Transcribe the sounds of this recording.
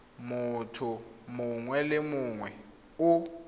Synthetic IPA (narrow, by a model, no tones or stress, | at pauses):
mʊtʰʊmʊŋwɛlɪmʊŋwɛ | ʊ